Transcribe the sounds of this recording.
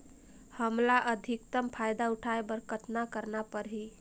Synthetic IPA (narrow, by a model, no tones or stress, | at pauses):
həmlaʔəd̪ʱikt̪əmpʰajd̪aʊʈʰaebəɾkət̪nakəɾnapəɾɦi